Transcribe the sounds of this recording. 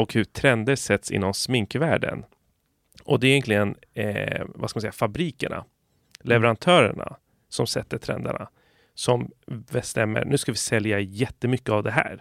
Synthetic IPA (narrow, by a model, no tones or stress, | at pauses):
ɔkhɵʈʰɾɛnd̪əɾʂɛt̪ːsɪ̰nːɔmsmɪŋkvæːɖə̰n | ʔɔd̪ɛɾjɛnk̪lɪɡən | vaskamnsɛjafabɾiːkəɳa̰ | lɛvɛɾant̪ʰœːɾəɳa̰ | sɔmsɛt̪ːəʈʰɾɛ̰nd̪aɳa | sɔmbɛst̪ɛmːə̰ɾnʉ̟ːskavɪsɛljajɛt̪ːəmʏkːəavd̪ɛɦæ̰ːɾ